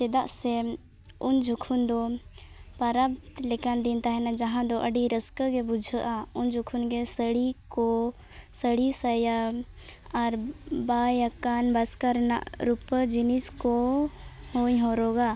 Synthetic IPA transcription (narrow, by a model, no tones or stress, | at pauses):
t͡ʃɛd̪aʔsɛ | und͡ʒʱukʰund̪ɔ | paɾab̚tt̪lekand̪int̪aɦɛnad͡ʒɐɦãd̪ɔʔəɖiɾəskəɡebud͡ʒʱəʔaund͡ʒʱukʰunɡesəɽikɔ | səɽisəja | aɾbajəkanbɐskaɾna̰ʔɾupəd͡ʒiniskɔ | hoɲɦɔɾɔɡa